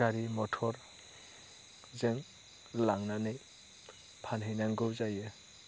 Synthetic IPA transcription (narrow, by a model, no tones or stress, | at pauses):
aɾimɔtʰɔɾ | zɯŋ | laŋnanɯj | pʰanɦɯjnaŋɡɯwzajɯ